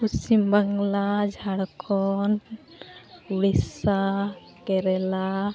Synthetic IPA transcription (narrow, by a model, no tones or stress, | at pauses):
usimbaŋlad͡ʒʱaɽkʰɔn | uɽisa | kɛɾɛla